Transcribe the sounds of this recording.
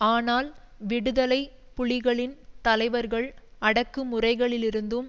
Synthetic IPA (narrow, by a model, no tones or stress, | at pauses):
aːnaːl | ʋɪɽɯðɐlɐɪ | pʊɭɪɣɐɭɪnt̪ɐlɐɪʋɐɾɣɐɭɐɽɐkːɯmʊrɐɪɣɐɭɪlɪɾɯnd̪ɯm